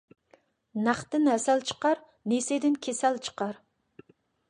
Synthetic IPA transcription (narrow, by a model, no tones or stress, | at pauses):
næχt̪ɪnhɛsælt͡ʃʰə̥qɑɾ | nesed̪ɪnkʲʰesælt͡ʃʰə̥qɑɾ